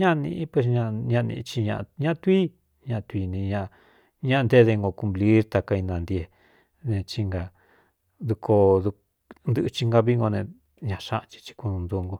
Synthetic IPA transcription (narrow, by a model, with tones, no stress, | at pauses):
ɲã˦˧nḭ̃˧˦pwe˧s̬ɲã˧ɲã˧nḭ̃˧t͡ʃi˧ɲã̰˧ʔɲã˦ʔt̪ui˦ | ɲã˧t̪ʷi˧nĩ˧ɲã˧ | ɲã˦ʔnd̪e˦ðe˧ŋɡo˧ku˧mpli˦ɾt̪a˧ka˧i˧nã˨˧nd̪je˧ | nẽ˧t͡ʃi˧ŋɡa˧ | d̪u˧kʰo˧ðu˧ | nd̪ɨ˧ʔt͡ʃi˧ŋɡa˧βi˦ŋɡo˧nẽ˧ | ɲã˧ʃa˦˧ʔt͡ʃi̥˧t͡ʃi̥˧kʷu˧nũ˧nd̪u˧ŋɡo˧